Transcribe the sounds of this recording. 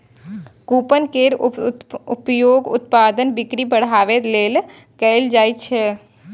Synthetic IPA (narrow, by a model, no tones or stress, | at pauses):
kupənkeɾ | upjoɡṵt̪̚pad̪ənbikɾibəɽ̤aʋet̪lel | kəjld͡ʒajt͡ʃʰɛ